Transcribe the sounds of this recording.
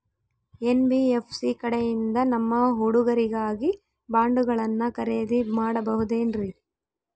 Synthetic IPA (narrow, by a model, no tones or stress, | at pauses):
enbiepʰsikɐɽɛjind̪ɐnɐmːɐɦuɽuɡɐɾiɡaːɡi | baːɳɖuɡɐɭɐnːɐkɐɾeːd̪imaːɽɐbɐɦud̪eːnɾi